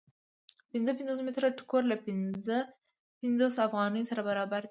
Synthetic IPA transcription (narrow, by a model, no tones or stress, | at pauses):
pɪnzəpɪnzos̬mɪt̪ɾaʈʊ̥koɾlapɪnzə | pɪnzosafɣɑnəjosaɾabaɾɑbaɾd̪i